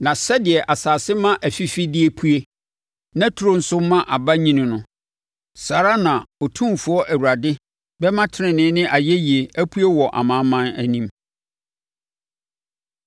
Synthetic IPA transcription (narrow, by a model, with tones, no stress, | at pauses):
nã˨sɛ˦dɪ˨ɛ˨ʔa˨saː˨sɪ˦mã˦ʔæ˨fi˦fi˦dɪ˦e˦pʰu˦e˦ | nã˦tʰu˨ɾõ˦n̩˦sʊ˦mã˦ʔa˨ba˦ɲĩ˦nɪ̃˨nʊ̃˦ | saː˨ɾa˦nã˨ɔ˨tʰũ˦mfʊ˦ɔ˦ʔæ˨wu˨ɾa˨dɪ˦ | bɛ˦mã˦tʰɪ˦nɪ̃˨nɪ̃˦nɪ̃˦ʔa˨je˦ji˨e˨æ˦pʰu˦e˦wɔ˨ʔa̰˨mã˨˦mã˦næ˦nĩ˦m